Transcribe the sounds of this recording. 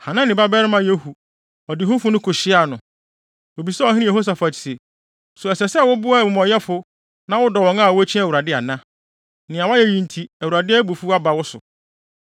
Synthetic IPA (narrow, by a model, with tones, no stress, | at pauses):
hã˨nã˦nɪ̃˨ba˦bɛ˦ɾɪ˦mã˦je˦hu˨ | ɔ˨dɪ˨ɦʊ̃˦fʊ˦nʊ̃˦kʰʊ˨ɕɪ˦a˨nʊ̃˨ | o˨bi˨sɛ˦ɔ˨ɦɪ̃˦ɪ̃˦˨e˨ho˦s̬a˨fa˨i̥˨se˨ | sʊ˨ɛ˨sɛ˨sɛ˦˨wʊ˦bʊ˦a˦˨mʊ̃˨mɔ˨jɛ˦fʊ˦ | nã˦wʊ˦dɔ˨wɔ̃˨ŋã˦˨wʊ˦æ˦t͡ɕʰĩ˦æ˨wu˨ɾa˨dɪ˦a˨nã˦ | nɪ̃˨a˨wa˦jɛ˦jĩ˨n˨tʰi˨æ˨wu˨ɾa˨dɪ˦ɛ˦bu˨fu˦a˦ba˨wʊ˦sʊ̰˨